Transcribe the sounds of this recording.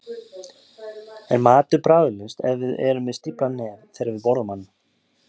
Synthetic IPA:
ɛɾmaːt̪ʏpɾaːwɪlɪst̪ɛ̰ðvɪðɛɾʏmvɪðst̪ipɾanɛːɾθɛjɾɪvɪðpɔwɾðʏmanː

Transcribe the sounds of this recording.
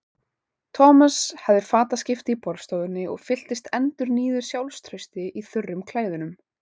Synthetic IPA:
t̪ʰɔːmashavðɪfaːt̪ascɪft̪ɪipɔɾst̪owðʏnːɪɔ̰ɣfɪl̥t̪ɪst̪ɛnt̪ʏɾniːðʏɾ̥sjawlst̪ʰɾœjst̪ɪʔiθʏrːʏmkʰlaːjðʏnʏm

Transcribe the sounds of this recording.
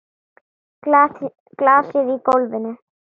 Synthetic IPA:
klaːsɪðikowlvɪnɪ

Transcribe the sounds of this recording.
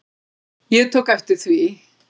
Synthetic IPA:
jɨt̪ʰʊkɛft̪ɪθwi

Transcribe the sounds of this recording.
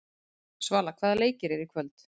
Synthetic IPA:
svaːlakʰvaːðaleːjcɪɾɛɾikʰvœlt̪

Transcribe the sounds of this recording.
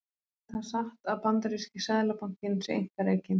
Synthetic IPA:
θasaht̪aðpant̪aɾiscɪsaðlapaŋ̥cɪnsɛḛjŋ̥kaɾeːjcɪn

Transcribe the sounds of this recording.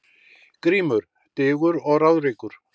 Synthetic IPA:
kɾiːmʏɾ̥ | t̪ɪːɣʏɾɔɣrawðɾeːkʏɾ̥

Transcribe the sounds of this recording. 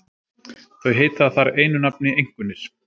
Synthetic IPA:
θœɥɦeːjt̪aθaɾeːjnʏnap̚nɪejŋ̥kvʏnːɪs

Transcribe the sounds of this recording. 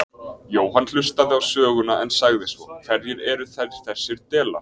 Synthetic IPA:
joːwɦanl̥ʏst̪aðɪawsœːɣʏnaɛnsaɣðɪsvɔ̰θɛɾjɪɾɛɾʏθɛɾjɪ̥θɛsːɪɾt̪ɛːla̰ɾ̥

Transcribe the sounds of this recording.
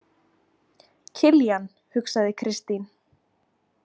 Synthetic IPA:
cʰɪljan | hʏksaðɪkʰɾɪst̪in

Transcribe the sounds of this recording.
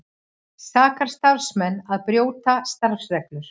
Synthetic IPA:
saːkaɾ̥st̪afsmɛnːaðpɾjoːwt̪ast̪aɾfsvɛklʏɾ̥

